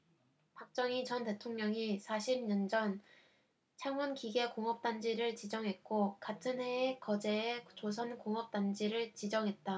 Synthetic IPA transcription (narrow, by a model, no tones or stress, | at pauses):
pak̚t͡ɕ͈ʌŋit͡ɕʌnte̞tʰoŋɲʌŋisʰaɕʰibɲʌnd͡ʑʌn | t͡ɕʰaŋunkiɡe̞koŋʌp̚t͈and͡ʑiɾɯɭt͡ɕid͡ʑʌŋɦe̞t̚k͈okatʰɯnɦeːkʌd͡ʑe̞ːt͡ɕos̬ʰʌnkoŋʌp̚t͈and͡ʑiɾɯɭt͡ɕid͡ʑʌŋɦe̞t̚t͈a